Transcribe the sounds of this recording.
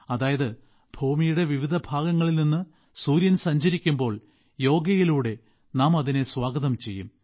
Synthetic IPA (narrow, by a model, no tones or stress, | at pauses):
ɐðaːjɐðɨ | b̥ʱuːmijuɽe̞ʋiʋid̪ʱɐbʱaːɡɐŋːɐɭilninːɨ | suːɾjɐnsɐɲd͡ʑɐɾikʲːumbo̞ːɭ | jo̞ːɡɐjiluːɽe̞ | naːmɐðine̞swaːɡɐðɐmt͡ɕe̞jːṵm